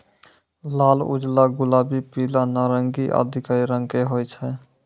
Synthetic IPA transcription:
lalṵd͡ʒlaɡulabipilanaɾəŋɡiʔə̰d̪ʱikaɾiɾəŋkeɦojt͡ʃʰɛ

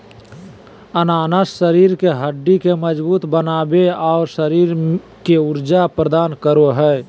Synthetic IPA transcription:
ənaːnəssəɾiːɾkeɦəɖːikeməd͡ʒbuːt̪bənaːbeɔːɾsəɾiːɾ | keʊɾd͡ʒapɾəd̪aːnkəɾoɦɛː

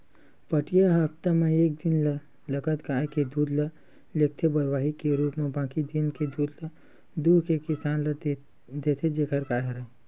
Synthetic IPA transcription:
pəʈijaɦapt̪ameeːk̚d̪inlə | ləkət̪kaːeked̪uːd̪lə | lek̚t̪ʰebəɾwaːɦikeɾuːpmẽbãːkid̪inked̪uːd̪lə | d̪ukekɪsaːnl | d̪et̪ʰed͡ʒekʰəɾkaɦeɾə

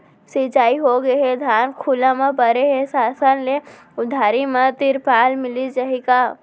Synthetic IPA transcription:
sit͡ʃaːiɦoɡəɦed̪ʱaːnkʰulãmãpəɾeɦesaːsənle | ʊd̪ʱaːɾimãt̪ɪɾpaːlmɪlid͡ʒaɦika

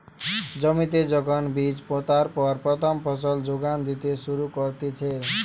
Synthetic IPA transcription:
d͡zʌmit̪ed͡zʌɡʌnbid͡zpot̪arpʌrprʌt̪ʰʌmpʰʌs̬ʌld͡zoɡand̪it̪esuɾukʌrt̪it͡sʰe

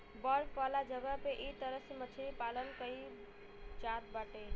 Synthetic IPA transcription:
bəɾpalad͡ʒəɡəpeʔit̪əɾəsimət͡ʃʰiɾipalənkəi | t͡ʃat̪̚baʈe

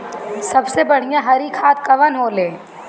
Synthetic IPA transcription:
sɐbsebɐɽ̤ijãɦɐɾikʰaːt̪kɐʋənɦoːleː

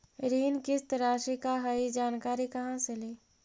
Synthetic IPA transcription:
ɾiːnkɪst̪ɾaːʃikaɦaid͡ʒaːnkaːɾikɐɦãseleː

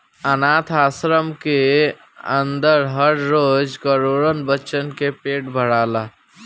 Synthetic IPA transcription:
ənat̪ʰasɾəmke | ə̰nd̪əɾɦəɾɾod͡ʒkəɾoɾənbəʃənkepeʈbʱəɽala

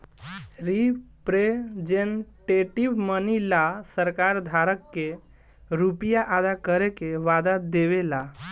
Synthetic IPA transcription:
ɾipɾed͡ʒenʈeʈibmənilasəɾkaɾd̪ʱaɾəkːe | ɾupijaʔad̪akəɾekeʋad̪ad̪eβela

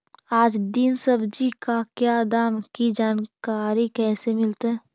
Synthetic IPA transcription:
aːd͡ʒd̪ɪnsəbd͡ʒikakjad̪aːmkid͡ʒaːnkaːɾikɛːsemɪlt̪ɦɛː

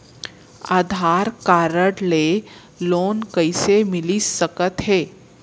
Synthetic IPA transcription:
aːd̪ʱaɾkaːɾəɽle | loːnkəisemɪlisəkət̪ɦeː

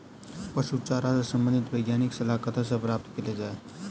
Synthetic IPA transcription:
pəʃut͡ʃaɾat͡sasəmbənd̪ʱit̪ʋəjɡjaniksəlakət̪ʰasapɾap̚t̪ʰkeled͡zae

